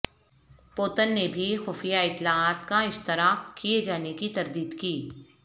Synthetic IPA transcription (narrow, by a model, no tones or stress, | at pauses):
poːt̪ənːebʱixʊfjaɪt̪ːɪlaaːt̪kaɪʃt̪ɪɾaːk̚kied͡ʒaːnekit̪ɐɾd̪iːd̪kiː